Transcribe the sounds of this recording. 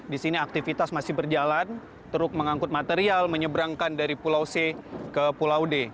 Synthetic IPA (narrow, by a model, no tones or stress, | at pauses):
disiniak̚t̪ifit̪asmasɪhbərd͡ʒalan | t̪əɾʊk̚məŋaŋkʊt̪̚mat̪eɾialməɲəbɾaŋkandaɾipulawsekəpulawde